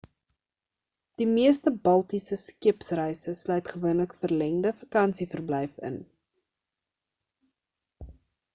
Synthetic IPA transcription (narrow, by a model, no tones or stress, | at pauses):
d̥imiəstəbɐlˠtisəskiəpsrɛjsəslœjtχəvuənləkfərlɛŋdəfɐkɐnsifərblɛjfə̰n